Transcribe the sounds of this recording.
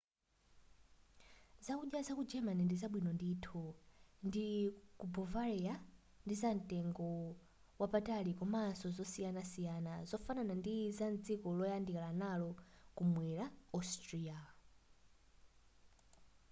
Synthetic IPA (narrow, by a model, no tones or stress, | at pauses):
zakuɗjazakud͡ʒɛmanindizaɓwinɔnditʰundikubɔvaɾɛa | ndizan̩tɛŋɡɔ | wapatalikɔmasɔzɔsijanasijanazɔfananandizand͡zikɔlɔjandilanalɔkumwɛɾaɔstɾia